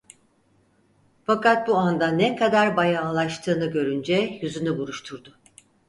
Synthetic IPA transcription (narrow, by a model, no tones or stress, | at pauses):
fakat̪̚buand̪anɛkʰad̪aɾbajaːlˠaʃt̪ʰɯːnɯɟø̞ɾynd͡ʒɛjyzynybuɾuʃt̪ʰuɾd̪ʊ